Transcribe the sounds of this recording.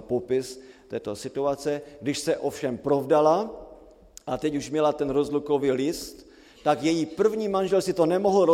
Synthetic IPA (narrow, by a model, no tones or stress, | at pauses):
popɪst̪ɛːt̪o̞sɪt̪uat͡sɛɡdɪʃsɛʔo̞fʃɛmpɾovdala | ʔat̪ɛcuʃmɲɛlat̪ɛnɾozlukoviːlɪst̪ː | akjɛjipr̩vɲiːmanʒɛlsɪt̪o̞nɛmoɦl̩ɾo